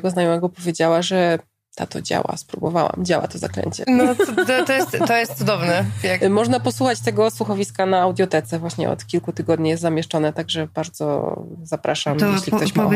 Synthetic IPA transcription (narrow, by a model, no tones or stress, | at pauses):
ɛɡɔznajɔmɛɡɔpɔvʲjed͡ʑawaʐɛ | t̪ʰat̪ɔ̰d͡ʑa̰wa̰spɾubɔ̰va̰wa̰md͡ʑawa̰t̪ɔza̰klɛ̰ɲt͡ɕɛ̰nɔt̪t̪ɔjɛst̪t̪ːɔjɛst̪sud̪ɔvnɛjamɔʐnapɔswuxat͡ɕt̪ɛɡɔswuxɔvʲiskanaːwd̪ʲjɔt̪ɛt̪sɛvwaɕɲɛ̰ɔ̰t̪kʲilkut̪ɘɡɔd̪ɲijɛst̪zamʲjɛʂt͡ʂɔnɛt̪aɡʐɛbaɾd̪zɔ̰zapɾaʂamjɛɕlʲikkt̪ɔɕa